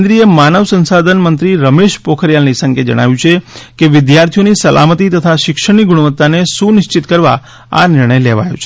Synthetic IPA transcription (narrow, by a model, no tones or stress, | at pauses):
nd̪ɾiemanəʋsənsad̪ʱənmənt̪ɾiɾəmeʃpokʰəɾjalnisə̃ŋked͡ʒə̰ɽ̃a̰ʋjũt͡ʃʰekeʋɪd̪jaɾt̪ʰijonisəlʔa̰mət̪it̪ət̪ʰaʃɪkʃəɽ̃iɡuɽuʋət̪ːanesunɪʃt͡ʃit̪kəɾʋa̰ | a̰nɪɾɳ̃əjleʋa̰jo̰t͡ʃʰe